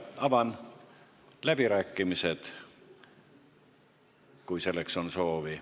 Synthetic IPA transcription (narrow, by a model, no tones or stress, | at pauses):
ɑvɑn | læb̥iɾæːkːimise̞d̪̥ | kujse̞lːekso̞nso̞ːvi